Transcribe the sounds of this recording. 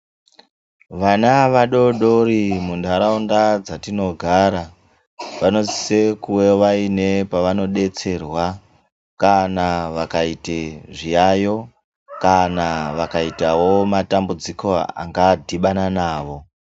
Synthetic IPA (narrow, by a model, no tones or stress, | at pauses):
ʋanaʋaɗo̞ɗo̞ɾimundaɾaundad͡zatino̞ɡʱaːɾa | ʋano̞zise̞kuwe̞ʋaine̞paʋano̞ɗe̞t͡se̞rwa | kanaʋakaiteʐijajo̞ | kanaʋakaitawo̞matambud͡ziko̞a̰ŋɡadʱiɓananaːʋo̞